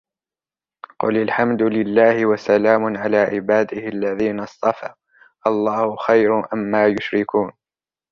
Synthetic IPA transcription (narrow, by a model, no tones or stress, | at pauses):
qʊ̰lalħamd̪ʊlɪlːaːhɪwasalaːmʊʕalaːʕɪbaːd̪ɪhɪʔalːaðiːnast̪ˤɑfaː | ʔɑlˤːɑːhʊxajɾʔamːaːjʊʃɾɪkuːn